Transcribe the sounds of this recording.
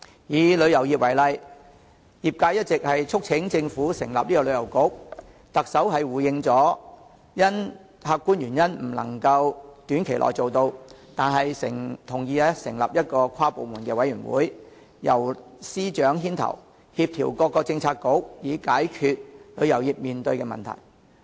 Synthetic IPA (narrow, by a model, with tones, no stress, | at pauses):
jiː˨˧lɵ˨˧jɐ˨˩wjiː˨p̚wɐ˨˩jlɐ˨j | jiː˨p̚kaː˧˥jɐ˥t̚t͡sɪ˨k̚hɐ˨jt͡ʃʰʊ˥k̚t͡sʰɪ˨˥ŋt͡sɪ˧ŋfuː˨˥sɪ˨˩ŋlɐ̰˨p̚liː˥kɔː˧lɵ˨˧jɐ˨˩wkʊ˨˥k̚ | t̪ɐ˨k̚sɐ˨˥wɦɐ˨jwuː˨˩jɪ˧ŋt͡sɔː˨˥ | jɐ˥n | haː˧k̚kːuː˥njyː˨˩njɐ˥nm̩˨˩lɐ̰˨˩ŋkɐ˧wt̪yː˨˥nkʰe˨˩jlʔɔ̰ː˨˩jt͡so˨wt̪o˧wt̪aː˨nɦɐ˨jsɪ̰˨˩ŋt̪ʰʊ˨˩ŋjiː˨˧ɛ˥sɪ̰˨˩ŋlɐ̰˨p̚jɐ˥t̚kɔː˧kʷʰwaː˥po˨wmuː˨˩nkɛː˧wɐ˨˥jyː˨˩nwṵː˨˥j | jɐ̰˨˩wsiː˥t͡ʃœː˨˥ŋɦiː˥nt̪ʰɐ̰˨˩w | hi˧p̚t̪ʰiː˨˩wkɔː˧kːɔː˧t͡sɪ˧ŋt͡sʰaː˧t̚ko˨˥k̚jiː˨˥kaː˨˥jkʰyː˧t̚lɵ˨˧ɥjɐ˨˩wjiː˨p̚miː˨nt̪ɵ˧ɥkɛː˧mɐ̰˨nt̪ʰɐ̰˨˩j